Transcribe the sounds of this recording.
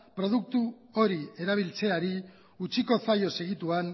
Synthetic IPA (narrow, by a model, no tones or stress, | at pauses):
pɾo̞ð̞uk̚t̪u | o̞ɾie̞ɾaβ̞ilt͡se̞aɾi | ut͡ʃiko̞sajo̞se̞ɣit̪uan